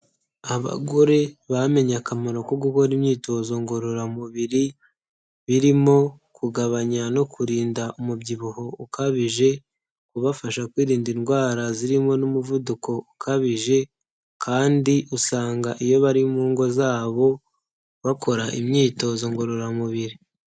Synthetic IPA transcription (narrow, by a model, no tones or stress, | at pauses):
aβa̰ɡo̞ɾe̞βame̞ɲakamaɾo̞koɡuko̞ɾimɲiːto̞zo̞ŋɡo̞ɾoɾamuβiɾi | βiɾimo̞ | kuɡaβaɲano̞kʰuɾiːndaʔumubɟiβuho̞ukaβiʒe̞ | kuβafaʃakwiːɾiːndinɡwaːɾaziɾimo̞numuvuduko̞ukʰaβiʒe̞ | kʰaːndiʔusaːŋɡaʔijo̞βaɾimuːŋɡo̞zaːβo̞ | βako̞ɾaʔḭmɲiːto̞zo̞ŋɡo̞ɾo̞ɾamuβiɾi